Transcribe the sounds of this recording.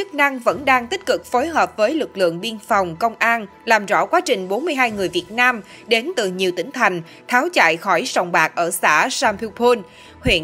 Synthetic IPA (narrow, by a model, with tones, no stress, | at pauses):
t͡ɕɨ˦˥k̚na˧ŋvə̰˧˥nɗaː˧ŋt̪ï˦˥k̟̚kɨ˨˩k̚fo˨˦jɦəː˨˩p̚vəː˨˦jlɨ˨˩k̚lɨ̰˧˨əŋɓi˧ənfa˨˩wŋ͡mkə˧wŋ͡mʔaː˧n | laː˨˩mzɔ̰˧˥kwaː˨˦t͡ɕï˨˩ŋ̟ɓo˨˦nmɨ˧əjɦaː˧jŋɨ˨˩əjvi˨˩ət̚naː˧m | ɗe˨˦nt̪ɨ˨˩ɲi˨˩əwt̪ï˧˨˦ŋ̟t̪ʰa˨˩jŋ̟ | t̪ʰaː˨˦wt͡ɕa̰ː˧˨jxɔ˧˩jsɔ˨˩wŋ͡mɓaː˨˩k̚ʔəː˧˩sa̰ː˧˥saː˧mpʰi˧pʰo˧n | hwḭ˧˨ə